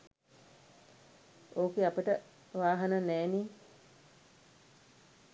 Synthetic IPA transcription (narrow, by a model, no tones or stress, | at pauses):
oːkeapəʈə | ʋaːɦɐnənæːniː